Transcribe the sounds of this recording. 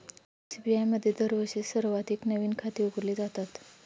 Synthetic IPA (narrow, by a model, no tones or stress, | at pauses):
sibiajməd̪ʱːjed̪əɾʋəɕisəɾʋat̪iknəʋiːnkʰat̪iːuɡəɾliːd͡zat̪at̪